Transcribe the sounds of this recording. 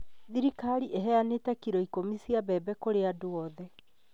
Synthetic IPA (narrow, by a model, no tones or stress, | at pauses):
ðiɾikaɾiʔɛɦɛanetakiɾɔikomisiabɛːbɛkoɾeadoɔðɛ